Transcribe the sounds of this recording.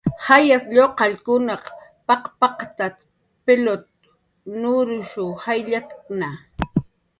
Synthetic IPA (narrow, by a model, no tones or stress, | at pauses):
hajasʎoqɑʎkʊnɑqpɑqpɑqt̪at̪ | pelot̪̚ | nʊɾʊʃʊhajʎat̪kna